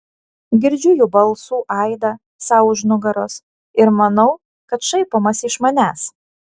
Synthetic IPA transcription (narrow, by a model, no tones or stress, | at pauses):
ɡʲɪɾʲd͡ʒʲʊjuːbɐlˠsuːʔɑɪd̪ɐ | sɑʊʒnʊɡɐɾoːs | ɪɾmɐnɐʊ | kɐt̪ʃɐɪpoːmɐsɪʃmɐnʲæːs